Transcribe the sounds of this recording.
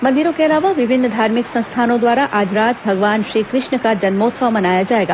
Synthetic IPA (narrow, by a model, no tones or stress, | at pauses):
mɐ̃nd̪iɾõkeɐlaːʋaʋɪbʱɪnːəd̪ʱaːɾmɪksɐ̃st̪ʰaːnõd̪ʋaːɾaʔaːd͡ʒɾaːt̪̚bʱɐɡʋaːnʃɾiːkɾɪʃɳəkad͡ʒɐnmoːt̪səʋmɐnaːjad͡ʒaːeːɡaː